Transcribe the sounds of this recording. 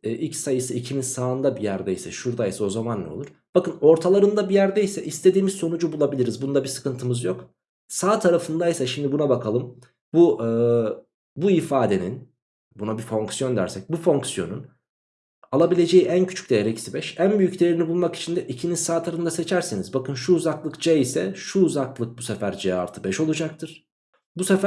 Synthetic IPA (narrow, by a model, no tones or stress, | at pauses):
ʔilʲcsajɯsɯicʰimizsaːɯnd̪abijæɾd̪ɛjsɛ̰ʃuɾd̪aisɛo̞zamanːɛ̰olˠuɾ̥b̥akɯno̞ɾt̪ʰalˠaɾɯnd̪abijæɾd̪ejsɛʔist̪ʰe̞d̪iːmizso̞nud͡ʒubulˠabilʲiɾizbunud̪abisɯ̥kɯnt̪ʰɯmɯzjo̞k | saːt̪ʰaɾafɯnd̪aisaʃimd̪ibunabakʰalˠɯm | buɯː | buifaːd̪e̞nḭn | bunabifo̞ŋksjo̞nd̪æ̰ɾsɛc̚bufo̞ŋksjo̞nun | alˠabilʲe̞d͡ʒe̞jiʔæncʰy̥t͡ʃʰy̥c̚ʲd̪ejeɾɛcʰi̥sibɛʃænbyjycd̪ejɾinibulˠmaki̥t͡ʃʰind̪ɛʔicʰinizsaːt̪ʰaɾaɯnd̪ase̞t͡ʃʰæɾsenizbakɯnʃuːzaklˠɯkd͡ʒɛisɛʃuːzaklˠɯk̚busefæɾd͡ʒea̰ɾt̪ʰɯbɛʃo̞lˠud͡ʒak̚t̪ʰɯɾ̥ | busefæ